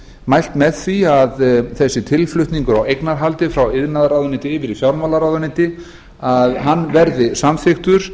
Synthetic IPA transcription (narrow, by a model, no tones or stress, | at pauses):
majl̥t̪mɛðθiaðθɛsːɪt̪ʰɪlflʏht̪niŋkʏɾawejknaɾ̥ɦalt̪ɪfɾawɪðnaðɾawðʏnɪt̪ɪːvɪɾifjawɾmalaɾawðʏnɪt̪ɪ | aðɦanːvɛɾðɪsamθɪxt̪ʏɾ̥